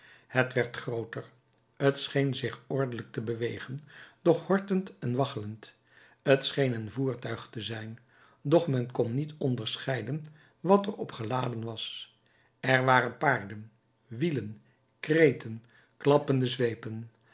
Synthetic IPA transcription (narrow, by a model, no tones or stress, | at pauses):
hətʋɛɹtχrowtər | ətsχejnzɪχɔɹdələk̚təbəʋejχənd̥ɔχhɔɹtəntɛnʋɑχələnt | ətsχejnənvuːɹtœɥχtəzɛjn | dɔχmɛnkɔnːitɔndəɹsχɛjdən | ʋɑtəɹɔpχəlaːdənʋɑs | ɛɹʋaːɾənpaːɹdən | ʋilən | krejtən | klɑpəndəzʋejpən